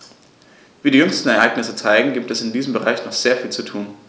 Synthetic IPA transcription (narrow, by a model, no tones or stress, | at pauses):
viːdiːjʏŋstn̩ɛɐʔaɪɡnɪsət͡saɪɡŋ̩ɡiːp̚tɛsɪndiːzəmbəʁa̰ɪçnɔχz̥eːɐfiːlt͡sutʰuːn